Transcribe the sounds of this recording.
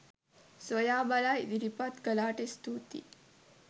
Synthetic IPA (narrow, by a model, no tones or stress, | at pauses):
sʋojaːbɐlajd̪iɾipat̪ɡɐlaːʈest̪uːt̪ḭ